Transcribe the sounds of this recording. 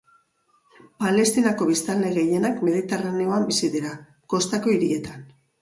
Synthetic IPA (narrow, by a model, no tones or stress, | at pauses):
pale̞st̪inako̞β̞ist̪ald̪e̞ɣe̞je̞nakme̞ðit̪eraneo̞ambisiðiɾa | ko̞st̪ako̞iɾie̞t̪an